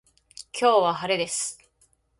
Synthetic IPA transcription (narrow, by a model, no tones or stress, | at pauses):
kʲʰo̞ːβahaɾe̞d̪e̞sɨ̥